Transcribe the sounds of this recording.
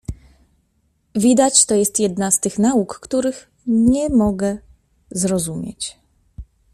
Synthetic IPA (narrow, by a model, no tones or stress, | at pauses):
vʲid̪at͡ɕt̪ɔjɛst̪jɛd̪nast̪ɘxnaukːt̪uɾɘx | ɲɛmɔɡɛ | zɾɔzumʲjḛt͡ɕ